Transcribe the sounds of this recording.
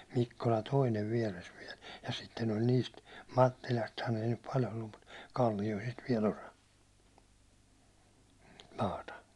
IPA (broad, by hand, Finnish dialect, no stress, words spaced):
mikːolɑ toineʋ ʋiɛres ʋiɛl jɑ sitːen ol niːst mɑtːilɑsthɑn ei nyp pɑl olːum mut kɑlːijoisist ʋiɛl osɑ mɑːtɑ